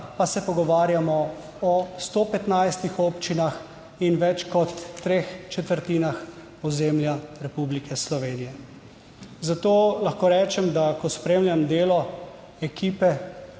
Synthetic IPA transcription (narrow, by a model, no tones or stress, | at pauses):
pasɛpɔɡɔʋaːɾjamɔ | ɔst̪oːpɛt̪najst̪ixopt͡ʃinax | inʋɛt͡ʃkɔt̪ːɾeːxt͡ʃɛt̪əɾt̪iːnax | ɔzeːmljaɾɛpublikʰɛslɔʋeːnijɛ | zat̪oːlaxkoːɾɛːt͡ʃɛmd̪akɔspɾeːmlʲjamd̪eːlɔ | ɛkiːpɛ